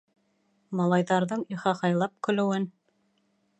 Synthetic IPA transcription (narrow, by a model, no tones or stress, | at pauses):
mɑlˠɑjðɑɾðɤɴiχɑhɑjlˠɑp̚kɵ̆lɘ̆wɘn